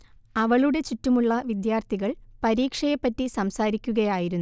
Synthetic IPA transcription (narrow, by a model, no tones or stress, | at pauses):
ɐʋɐɭuɽe̞t͡ɕitːumuɭːɐʋid̪jaːrt̪ʰiɣɐɭpɐɾiːkʂɐjɐpːɐtːisɐmsaːɾikʲːuɣɐjaːjiɾunː